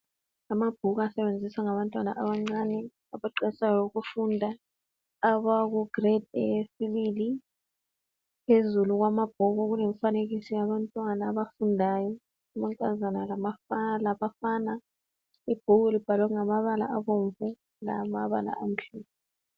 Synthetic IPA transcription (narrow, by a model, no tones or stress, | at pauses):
amab̥ʱuɣasɛβend͡zʱisaŋaβantʼwana̰ʔaβaŋ͡ǀanɛ | aβaǃɛsajɔloɣufundʱaː | βaɣuɡ̥rɛd̚esiβili | pʰezuluɣ̬wamab̥̚ʱuɣuɣulɛɱfaneɣisijaβantʼwanaːβafundʱajɔ | amaŋkʼazanalamafalaβafaːna | ib̥ʱuɣulib̥ʱalwaŋamaβala̰aβoɱvu | la̰maβa̰la̰ʔam̩ɬuːpʰɛ